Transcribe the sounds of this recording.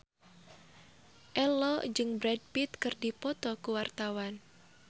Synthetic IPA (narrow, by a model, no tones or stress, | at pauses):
ʔɛlɔd͡ʒɨŋbɾɛd̚pit̪kɨrdipɔt̪ɔkuwart̪awan